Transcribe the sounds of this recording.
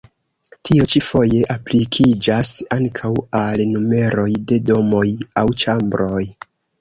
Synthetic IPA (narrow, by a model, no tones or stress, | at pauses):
tʰio̞t͡ʃifo̞je̞ʔaplikʰid͡ʒasaŋkʰawalnume̞ɾo̞jde̞do̞mo̞jawt͡ʃambɾo̞j